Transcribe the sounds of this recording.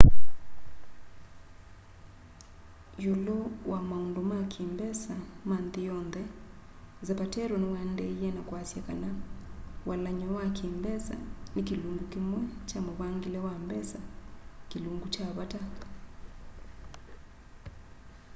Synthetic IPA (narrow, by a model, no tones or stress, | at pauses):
jolowamaundomakʰimbɛsamanðijɔnðɛ | zɛpatɛɾɔnewandɛiɛnakwasjakana | walaɲɔwakimbɛsa̰nikiluŋɡukimwɛt͡ʃamoβaŋɡilɛwambɛsakiluŋɡut͡ʃaβata